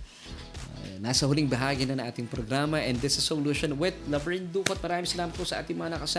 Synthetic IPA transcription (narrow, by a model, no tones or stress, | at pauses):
nasɐhʊliŋbɐɦaːɡɪnɐŋʔa̰ːt̪ɪŋpɾoɡɾaːmɐʔɛ̃nd̪d̪ɪsɐsoluːʃonwɪd̪̚lɐvɹind̪uːkot̪̚mɐɾaːmɪ̃ŋsɐlaːmɐt̪̚posɐʔa̰ːt̪ɪŋmɐŋanɐkɐsa